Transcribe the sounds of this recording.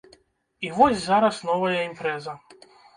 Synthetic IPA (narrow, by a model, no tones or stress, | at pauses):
iʋozʲzaɾasnoʋajeimpɾɛza